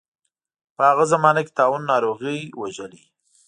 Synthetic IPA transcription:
pəhaɣazamɑnakɪ̥t̪ɑwunːɑɾoɣəjwaʒəli

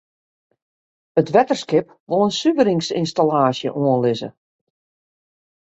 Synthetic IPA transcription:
ətʋɛtərskɪp | ʋolˠənsyʋəɾɪŋsinstalaːsjə̰ʔoənlɪzə̰

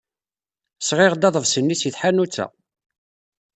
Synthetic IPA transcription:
sʁɪʁd̪ɑðˤəvsənːisjəθħanut͡sːæ̰

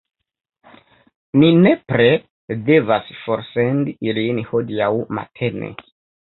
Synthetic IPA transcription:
minepɾe | de̞vasfoɾsendilinhodijawma̰tʰe̞nḛ

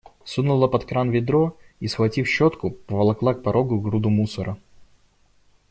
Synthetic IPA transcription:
sunʊlˠəpɐt̪kɾanvʲɪd̪ɾoisxvɐtʲifɕːot̪kʊpəvɐlˠɐklˠak̚pɐɾʔoɡʊɡɾud̪ʊmusəɾʔə

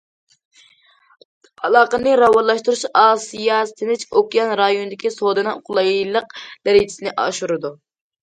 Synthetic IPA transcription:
ɑlˠɑːqənɨɾɑwɑnlˠɑʃt̪uɾuʃɑːsijɑst̪ʰɪnɪt͡ʃokʲijɑnɾɑjonɨd̪ɪkʲisod̪ɨnɨoqʰʊlˠɑjlˠəq̚d̪̥ɛɾit͡ʃ̪ʰɪsnɪʔɑ̰ʃuɾɨd̪u

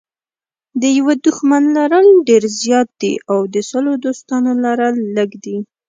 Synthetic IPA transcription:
d̪əjawəd̪ʊxmanlaɾalɖeɾzjɑt̪̚d̪ḭʔawd̪əsəlod̪ost̪ɑnolaɾalːəɡd̪i

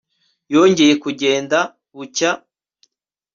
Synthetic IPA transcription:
jo̞ːɲɟe̞je̞kuɟe̞ːnda | βuca

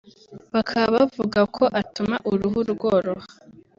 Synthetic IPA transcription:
βakʰaβavuɡakʰo̞ʔatumaʔuɾuɦuɾɡoːɾoha

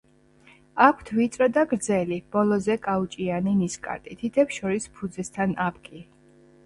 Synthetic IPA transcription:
akʷʰt̪ʰvit̪sʼɾɔd̪aɡɾd̪zɛlib̥ɔlˠɔzɛkʼaut͡ʃʼianiniskʼa̰ɾt̪ʼit̪ʰit̪ʰɛpʃɔɾispʰud̪zɛst̪ʰanapʰkʼi

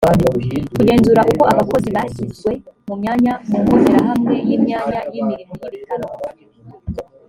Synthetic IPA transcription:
kuɟe̞ːnzuɾaʔukoʔaβako̞ziβasizwemumɲaɲamuŋɡuzinaɦamŋe̞jimɲaɲajimiɾimijiɾitano

